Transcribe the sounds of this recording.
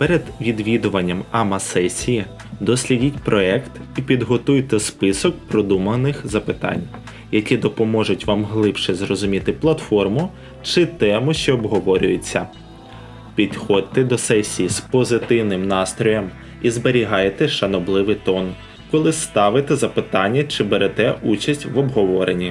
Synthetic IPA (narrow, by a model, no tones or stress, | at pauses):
pɛɾed̪ʋʲid̪ʋʲid̪ʊʋɐnʲːɐmɐmɐsɛsʲiji | d̪ɔsʲlʲidʲitʲpɾɔɛkt̪ipʲid̪ɦɔt̪ujt̪ɛspɪsɔk̚pɾɔd̪umɐnɪxzɐpɪt̪ɑ̰nʲ | jɐkʲid̪ɔpɔmɔʒʊtʲʋɑmɦlˠɪpʃɛzrɔzʊmʲit̪ɪplˠɐt̪fɔrmʊ | t͡ʃɪt̪ɛmʊʃt͡ʃɛːbɦɔʋɔɾʲʊ̰jet͡sʲːɐ | pʲid̪xɔd̪̚t̪ɛd̪ɔsɛsʲijispɔzɪt̪ɪwnɪmnɑst̪ɾɔjɐm | izbeɾʲiɦɑjet̪ɛʃɐnɔblˠɪʋɪjt̪ɔn | kɔlˠɪst̪ɑʋɪt̪ɛzɐpɪt̪ɑnʲːɐt͡ʃɪbeɾɛt̪ɛʔut͡ʃɐsʲtʲʋɔbɦɔʋɔɾenʲːi